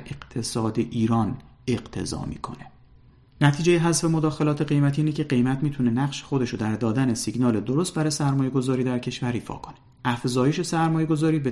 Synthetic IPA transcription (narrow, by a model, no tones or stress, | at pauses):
eqt̪ʰe̞sɒːd̪eʔiːɾɒːne̞ɢt̪ʰe̞̰zɒ̰ːmḭːkʰo̞̰ne̞̥ | næt̪ʰiːd͡ʒejeɦæzfe̞mod̪ɒːxe̞lɒːt̪ʰe̞ɣe̞jmæt̪ʰiːnecʰe̞ɢe̞jmæt̪miːt̪ʰune̞næɢʃexo̞d̪e̞ʃod̪æɾd̪ɒːd̪æne̞siɟnɒːle̞d̪oɾost̪̚bæɾɒːjesæɾmɒːje̞ɡo̞zɒːɾiːd̪æɾcʰe̞ʃvæɾiːfɒ̰ːkʰo̞̥ne | ʔæfzɒːje̞ʃe̞sæɾmɒːje̞ɡo̞zɒːɾiːbe